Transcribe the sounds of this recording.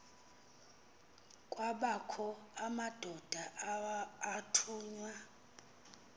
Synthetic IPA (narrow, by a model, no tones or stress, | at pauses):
kʼwaɓakʰɔamad̥ʱɔd̥ʱaʔatʰuːɲwa